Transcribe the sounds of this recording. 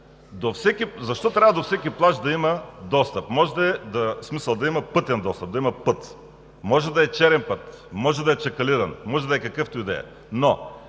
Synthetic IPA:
d̪ofsɛkizɐʃt̪ɔt̪ɾʲavɐəd̪ofsɛkʲiplˠaʒd̪ɐimɐd̪ɔst̪əpmɔʒɛd̪ɐɛd̪ɐsmisəlˠd̪ɐimɐpɤt̪ɛnd̪ɔst̪əp̚d̪ɐimɐpɤt̪ | mɔʒɛd̪ɐɛt͡ʃɛɾɛnpɤt̪ | mɔʒɛd̪ɐɛt͡ʃɐkɐliɾɐnmɔʒɛd̪ɐɛkɐkɤft̪ʊid̪ɛ̰jɐ̰ | no

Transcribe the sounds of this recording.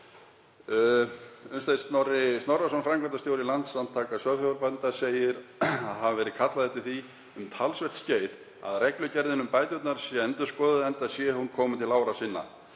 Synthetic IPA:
ʏnst̪aj̪st̪nɔrɪst̪nɔrːasɔnfɾamŋkʰant̪ast̪joːwɾɪlant̪sant̪ʰaːkasvœfavaɾpant̪aseːjɪɾaðɦavvɛːɾɪkʰat̪laðɛht̪ɪ̥θi | ʏmt̪ʰalsvɛr̥t̪sceːjð | a̰ðrɛklʏcɛɾðɪnʏmpaːjt̪ʏt̪naɾ̥sjɛɛnt̪ʏskɔːðʏðɛnt̪asjɛhunkʰɔːmʏt̪ʰɪlaːwɾasinːa̰

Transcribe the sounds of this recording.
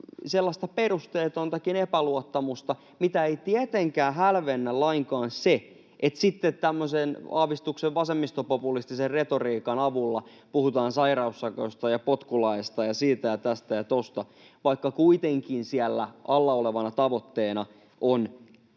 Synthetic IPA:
selːɑst̪ɑperust̪eːt̪ont̪ɑkinepæluot̪ːɑmust̪ɑ | mit̪æeit̪iet̪eŋkæːhælʋenːælɑiŋkɑːnsse | ʔet̪sit̪ːet̪tæmːøsenɑːʋist̪ukseʋʋɑsemːist̪opopulist̪iserret̪oriːkɑnɑʋulːɑ | puhut̪ɑːnsɑirɑusːɑkost̪ɑjɑpot̪kulɑest̪ɑjɑsiːt̪æjɑt̪æst̪æjɑt̪ost̪ɑ | ʋɑikːɑkuit̪eŋkinsiælːæ̰ʔɑlːɑoleʋɑnɑt̪ɑʋo̞t̪ːeːnɑ | ʔon

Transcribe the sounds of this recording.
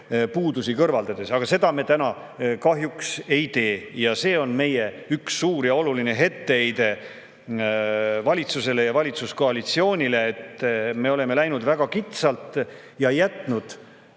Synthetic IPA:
puːd̪usikɤrvɑld̪̥ɑd̪̥e̞sɑɡ̥ɑse̞d̪ɑme̞t̪ænɑ | kɑɦjukse̞jt̪e̞ːjɑse̞ːo̞nme̞je̞yksːuːɾjɑo̞luline̞ɦe̞t̪ːe̞ejd̪e̞ | vɑlʲit̪suse̞le̞jɑvɑlʲit̪susko̞ɑlit̪sio̞ːnʲile̞ːt̪me̞o̞leme̞læjnud̪̥væɡ̥ɑkit̪sɑlt̪ˑ | jɑjæt̪ˑnud̪̥

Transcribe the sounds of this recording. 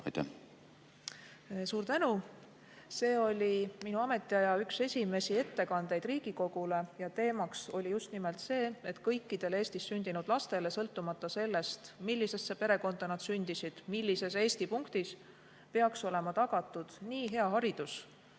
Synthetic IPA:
ɑ̰jt̪æ̰ | suːɾt̪ænu | se̞ːo̞lʲiminuɑme̞t̪ːˑiɑjɑykse̞sʲime̞sie̞t̪ːe̞kɑnd̪̥e̞jd̪̥riːɡ̥iko̞ɡ̥ule̞jɑt̪e̞ːmɑkso̞lʲijust̪nimelt̪se̞ːe̞t̪kɤjkːid̪̥e̞le̞ːst̪isːynʲd̪̥inud̪̥lɑst̪e̞le̞sɤ̞lt̪ːumɑt̪ːˑɑse̞lːe̞st̪milːise̞st̪sepe̞ɾe̞ko̞nd̪̥ɑnɑd̪̥synd̪̥isid̪̥milːise̞se̞ːst̪ipuŋkt̪is | pe̞ɑkso̞le̞mɑt̪ɑɡ̥ɑt̪ːˑud̪̥niːɦe̞ɑɦɑɾid̪̥us

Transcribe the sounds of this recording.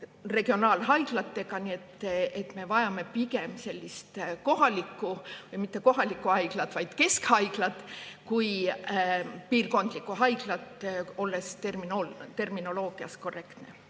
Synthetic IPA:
re̞ɡio̞nɑːlɦɑjɡ̥lɑt̪ːe̞kɑnie̞t̪ːet̪ˑme̞vɑjɑme̞piɡ̥e̞mse̞lʲːist̪ko̞ɦɑlikːˑuvɯjmit̪ːe̞ko̞ɦɑlikːˑuhɑjɡ̥lɑt̪vɑjd̪̥ke̞skhɑjɡ̥lɑt̪kuj | piːrko̞nd̪̥likːˑuɦɑjɡ̥lɑt̪o̞lːe̞st̪erminolt̪e̞rmino̞lo̞ːɡ̥iɑ̰sko̞rːe̞kt̪ne̞̰

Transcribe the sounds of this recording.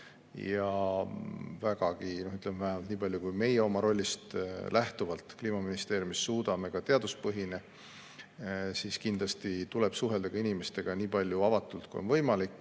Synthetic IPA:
jɑ | væɡɑɡ̥inoyt̪lemvæɦæmɑlt̪niːpɑlʲjukujme̞jeo̞mɑɾo̞lʲːist̪lʔæht̪uvɑlt̪ˑkliːmɑminist̪e̞ːɾjumisːuːd̪ɑme̞kɑt̪e̞ɑd̪̥uspɤɦine | siːskind̪lɑst̪it̪ule̞b̥suɦe̞ld̪eɡ̥ɑinimest̪e̞ɡ̥ɑniːpɑlʲjuɑvɑt̪ːˑult̪̚kṵjonvɤ̞jmɑlikːˑ

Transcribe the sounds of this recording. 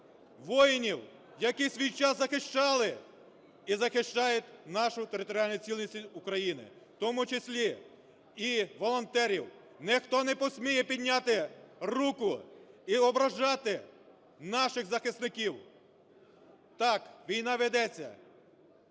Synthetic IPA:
ʋɔjɪnʲiw | jɐkisʲʋʲijt͡ʃɑszɐxɪʃt͡ʃɑlˠɪ | izɐxɪʃt͡ʃɑjʊtʲnɑʃʊt̪eɾɪt̪ɔɾʲɑlʲnʊjt͡sʲilʲnʲisʲʊkɾɐjinɪ̰ | t̪ɔmʊt͡ʃesʲlʲi | iʋɔlˠɔnt̪ɛɾʲiw | nɛxt̪ɔnɛpɔsʲmʲijɛpʲid̪ʲnʲɑt̪ɪrukʊiɔbɾɐʒɑt̪ɪ | nɑʃɪxzɐxɪst̪nɪkʲiw | t̪ɑkʋʲijnɑʋed̪ɛt͡sʲːɐ̰

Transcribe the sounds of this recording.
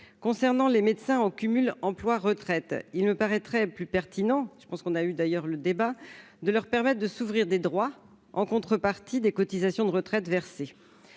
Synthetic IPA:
kɔ̃sɛʁnɑ̃lemet̪sɛ̃ɑkʲymylɑ̃plwaʁət̪χɛt̪ilməpaʁɛt̪χɛplypɛʁt̪ʰinɑ̃ʒə̥pɑ̃skɔ̃nayd̪ajœʁləd̪eba | d̪əlœʁpɛʁmɛt̪χd̪əsuvʁiʁd̪ed̪ʁwa | ɑ̃kɔ̃t̪χəpaʁt̪id̪ekɔt̪izasjɔ̃d̪əʁət̪χɛt̪vɛʁse

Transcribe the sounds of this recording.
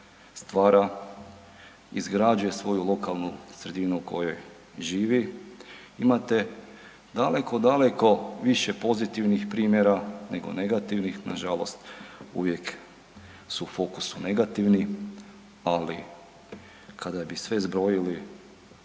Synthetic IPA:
st̪ʋaːɾa | ḭzɡɾad͡ʒuje̞sʋo̞julˠo̞kalˠnusɾe̞d̪inuuko̞jo̞j | ʒiːʋi | imat̪e̞ | d̪ale̞ko̞d̪ale̞ko̞ʋiʃe̞po̞zit̪iʋnixpɾiːmjeɾane̞ɡo̞̰ne̞ɡat̪iʋnixna̰ʒalo̞st̪ṵʋje̞k | suufo̞kusune̞ɡat̪iʋni | ali | kʰad̪abisʋe̞zbɾo̞jili

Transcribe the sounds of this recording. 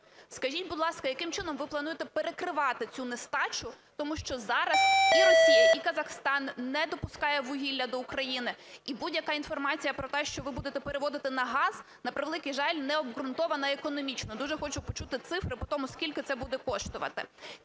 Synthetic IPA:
skɐʒʲit̚ʲbʊd̪lˠɑskɐjɐkɪmt͡ʃɪnɔmʋɪplˠɐnujet̪ɛpeɾekɾɪʋɑt̪ɪt͡sʲunest̪ɑt͡ʃʊt̪ɔmuʃt͡ʃɔzɑɾɐsiɾɔsʲijɐikɐzɐxst̪ɑnnɛd̪ɔpʊskɑjɛʋʊɦʲilʲːɐd̪ɔukɾɐjinɪibudʲjɐkɑin̪fɔrmɑt͡sʲijɐpɾɔt̪ɛʃt͡ʃɔʋɪbud̪et̪ɛpeɾeʋɔd̪ɪt̪ɪnɐɦɑz | nɐpɾɪʋelˠɪkijʒɑlʲnɛɔbɦɾʊnt̪ɔʋɐnɐekɔnɔmʲit͡ʃnɔd̪uʒɛxɔt͡ʃʊpɔt͡ʃut̪ɪt̪sɪfɾɪpɔt̪ɔmʊskʲilʲkɪt̪sɛbud̪ɛkɔʃt̪ʊʋɐ̰t̪ɪ̰

